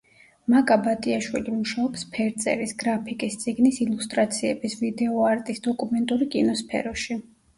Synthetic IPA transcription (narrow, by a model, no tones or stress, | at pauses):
makʼabat̪ʼiaʃwilimuʃaɔpspʰɛɾt̪sʼɛ̰ɾisɡɾapʰikʼist̪sʼiɡnisilust̪ʼɾat̪sʰiɛbisvid̪ɛɔaɾt̪ʼisd̪ɔkʼumɛnt̪ʼuɾikʼinɔspʰɛ̰ɾɔʃi